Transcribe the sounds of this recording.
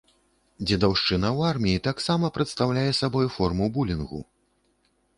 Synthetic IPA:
d͡zʲɛd̪awʂt͡ʂɨnɐwarmʲijit̪aksamɐpɾɛt̪st̪awlʲajɛsabɔjfɔrmubulʲinɣṵ

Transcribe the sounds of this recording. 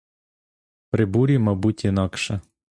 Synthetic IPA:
pɾɪbuɾʲimɑbutʲinɑkʃɛ

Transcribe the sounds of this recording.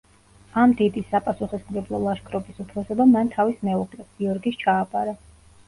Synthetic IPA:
amd̪id̪isːapʼasuχɛsmɡɛblˠɔlˠaʃkʰɾɔbisut̪ʰɾɔsɛbamant̪ʰavismɛuqʼlɛɡ̥iɔɾɡist͡ʃʰaːpʼaɾɛ

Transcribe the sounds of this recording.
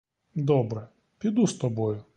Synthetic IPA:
d̪ɔbɾɛ | pʲid̪ust̪ɔbɔjʊ

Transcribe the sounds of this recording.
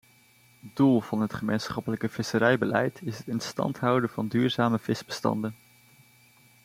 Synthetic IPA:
dulˠv̥ɑnɦətχəmejnsχɑpələkəv̥ɪsəɾɛjbəlɛjtɪsətɪnstɑ̰ntɦʌwdəvɑndyːɹzaːməv̥ɪzbəstɑ̰ndən

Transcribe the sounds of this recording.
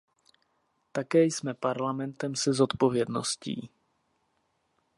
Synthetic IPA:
t̪akɛːjsmɛpaɾlamɛnt̪ɛmsɛzo̞t̪po̞vjɛdno̞̰scḭː

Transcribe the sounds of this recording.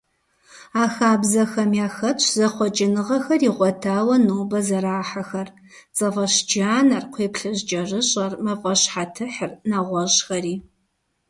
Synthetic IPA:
aːxaːbzɐxɐmjaːxɐt͡ʃʷʰzɐχʷɔt͡ʃʼɪnɨʁɐxɐriʁʷɔtʰaːwɐnoːbɐzɐɾaːħaxɐr | t͡sʼɨfɐɕd͡ʒaːnɐrqʷʰeːpɬɨʑd͡ʒʼɐrɨɕʼɐrmɐfʼɐɕħatʰɨħɨrnaʁʷɔʒxɐɾiː

